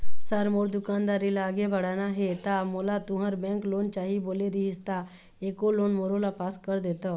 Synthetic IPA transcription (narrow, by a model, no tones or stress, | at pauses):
səɾmoɾd̪ukand̪aɾilaəɡebʱəɽanaɦet̪amolat̪uɦəɾbɛ̃ŋkloːnt͡ʃaɦiboleɾiɦist̪a | ekoloːnmoɾolapaskəɾd̪et̪ə